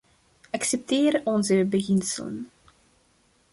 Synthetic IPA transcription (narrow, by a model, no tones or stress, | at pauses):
ʔɑksɛp̚teːɾɔnzəbəɣɪnsə̰lə̰n